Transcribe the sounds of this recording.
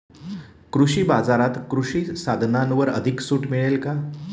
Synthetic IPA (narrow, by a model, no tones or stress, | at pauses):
kɾuɕiːbad͡zaɾat̪kɾuɕiːsad̪ʱnanʋəɾə̰d̪ʱiksuːʈmiɭelka